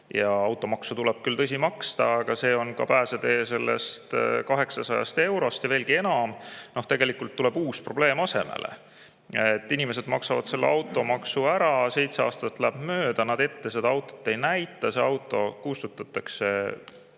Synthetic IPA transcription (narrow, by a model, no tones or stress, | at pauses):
jɑɑwt̪ːˑo̞mɑksut̪uleb̥̚kylt̪ɤs̬ʲimɑkst̪ɑːɡ̥ɑse̞ːo̞nkɑ̰pæːsed̪e̞ːse̞lːḛst̪kɑɦe̞ksɑsɑjɑ̰st̪e̞wɾo̞st̪jɑve̞ːlɡ̥ie̞nɑmno̞ht̪e̞ɡe̞likːˑult̪ːule̞buːspro̞ble̞ːmɑse̞̰mḛlʔḛ | et̪ːinime̞s̬e̞d̪̥mɑksɑvɑ̰d̪se̞lːeʔɑwt̪ːˑo̞mɑksuæɾɑse̞jt̪seɑ̰ːst̪ɑt̪ːˑlæb̥møːd̪̥ɑnɑd̪e̞t̪ːe̞se̞d̪ɑɑwt̪ːˑo̥t̪ːe̞jnæjt̪ːˑɑseɑwt̪ːˑo̞kust̪ut̪ːˑɑt̪ːˑɑkse̞